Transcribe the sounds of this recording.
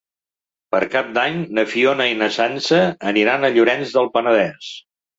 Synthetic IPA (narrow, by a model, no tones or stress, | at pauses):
pəɾkap̚d̪aɲnəfionəinəsansəːniɾanəʎuɾɛnzðəlˠpənəð̞ɛs